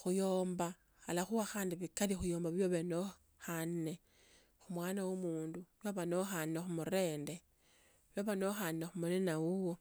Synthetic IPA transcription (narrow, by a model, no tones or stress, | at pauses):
xujoːmba | xalaxuaxaːndiβikaɾixujo̞ːmbaβijoβeno | xanːe̞ | xumwaːnawomuːndujoβano̞xanːexumuɾe̞ːnde̞ | βjoβanoxannexumunenawuwo